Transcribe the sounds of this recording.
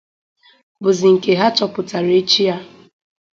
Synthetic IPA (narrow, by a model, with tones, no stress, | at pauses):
bʊ˨zi˨ŋ̩˨ke˨ɦa˦t͡ʃɔ˨pʊ˨ta˨ɾe˦t͡ʃi˦ja˦